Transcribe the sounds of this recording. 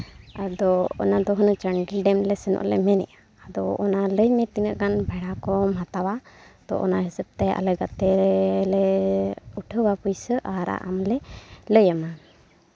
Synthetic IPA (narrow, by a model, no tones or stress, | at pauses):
ad̪ɔɔ̰nad̪ɔɦənət͡ʃaɳɖilɖɛmlɛsənɔ̰ʔlɛ̰mɛnɛ̰ʔaːd̪ɔʔːnaləjmɛt̪iŋaʔkanbʱaɽakɔmɦat̪awat̪ɔ̰ʔɔ̰naɦisəb̚t̪ɛa̰ləɡat̪ɛlɛ | uʈʰəwapujsəʔaɾa̰ʔa̰mlɛləjama